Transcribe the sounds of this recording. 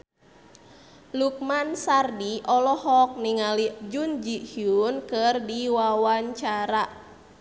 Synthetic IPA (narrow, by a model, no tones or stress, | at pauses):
luk̚mansardiʔɔlɔhɔk̚niŋalid͡ʒund͡ʒihiunkɨrdiwawaɲt͡ʃaɾa